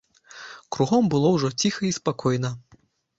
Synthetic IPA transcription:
kɾuɣɔmbɨlˠɔwʐɔt͡sʲixɐispakɔjnɐ

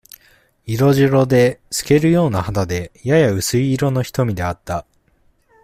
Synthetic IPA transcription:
iɾo̞ʑiɾo̞d̪e̞t͡sɨ̥ke̞ɾɯ̟jo̞ːnahad̪ad̪e̞jajaɯ̟sɨiːɾo̞no̞çi̥t̪o̞mʲid̪e̞at̪ːa

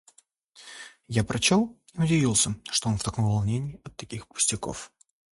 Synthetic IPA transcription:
japɾɐt͡ɕolˠ | iʊdʲɪvʲilˠsʲəʂt̪oo̞nft̪ɐko̞mvɐlˠnʲenʲɪːɐt̪ːɐkʲixpʊ̥sʲtʲɪko̞̰f

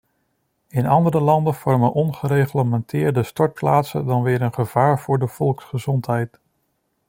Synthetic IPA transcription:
ɪnɑndəɾəlɑndənv̥ɔɹmənʔɔnχəɾeχləmɛntʰɪːɹdəstɔɹt̚plaːtsə̰dɑnʋɪːɾənχəv̥aːɹv̥ʊːɹdəvɔlˠksχəzɔntɦɛjt

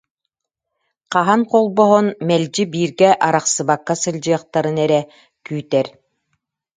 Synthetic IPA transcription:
qaɦanqɔlˠbɔɦɔnmɛlʲd͡ʑibiːɾɡɛʔaɾaqsɯbakːasɯlʲd͡ʑɯɐqt̪aɾɯnɛɾɛ | kyːt̪ɛɾ

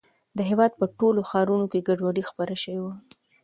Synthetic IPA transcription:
d̪əɦewɑd̪̚pəʈoloxɑɾunokeɡaɖwaɽixpəɾəʃəwiwu

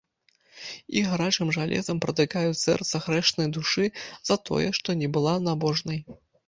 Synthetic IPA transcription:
iɣaɾat͡ʂɨmʐalʲʔɛ̰zɐmpɾɐd̪ɨkajusɛ̰rt̪sːɐxɾɛʂnɐjd̪uʂɨz̥ɐt̪ʰɔ̰jɛʂt̪ɔnʲɛbɨlˠanabɔʐnɐj

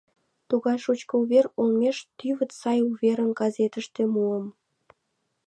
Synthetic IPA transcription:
t̪uɣɑjʃut͡ɕkəuβerolmʲeʃt̪yβət̪sɑjuβeɾənɡɑzet̪əʃt̪emuəm

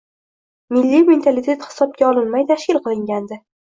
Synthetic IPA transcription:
mɪlːime̞nt̪ʰalit̪ʰe̞t̪hɪ̥sɒb̚ɡʲaɒlɪnmajt̪ʰaʃkʲɪlˠqɨlˠɪŋɡʲand̪ɪ

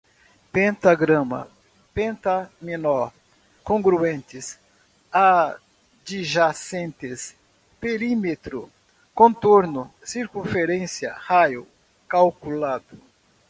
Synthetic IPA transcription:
pẽnt̪aɡɾɐ̃mɐ̰ | pẽnt̪aminɔ | kõŋɡɾuẽnt̪ɪs | a | d͡ʒiʒasẽnt̪ɪs | peɾimet̪ɾʊ | kõnt̪oɾnʊsiɾkũfeɾẽsjɐ̰hajʊ | kawkulad̪ʊ

